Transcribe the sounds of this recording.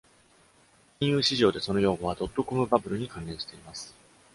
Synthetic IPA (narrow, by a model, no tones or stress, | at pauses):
kʲĩɰ̃jɯ̟ːɕiʑo̞ːd̪e̞so̞no̞jo̞ːɡo̞βad̪o̞t̪ːo̞ko̞mɯ̟babɯ̟ɾɯ̟ɲ̟ikãnẽ̞ɰ̃ɕi̥t̪e̞imasɨ̥